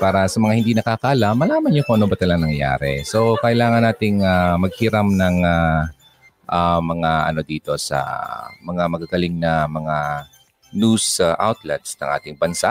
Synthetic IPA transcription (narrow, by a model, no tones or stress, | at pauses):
paːɾɐsɐmɐŋahɪnd̪iːnɐkakaːlamːɐlaːmɐnɲokoʔɐnobɐt̪ɐlɐŋnɐŋja̰ːɾɛ̰so̞kɐʔɪlaːŋɐnːaːt̪ɪŋamɐɡ̚hɪɾamnɐŋa | ʔamɐŋaʔɐ̰no̞d̪iːt̪o̞sɐ̰mɐŋamɐɡaɡɐlɪŋnɐmɐŋa | nusʔa̰wt̪lɛt̪̚snɐ̰ŋʔa̰ːt̪ɪŋbɐnsa̰ʔ